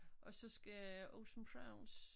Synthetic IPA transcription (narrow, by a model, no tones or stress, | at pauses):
ʔɒ̽sɒ̽sɡ̥æoʊsmkʰʁɑ̈ʊns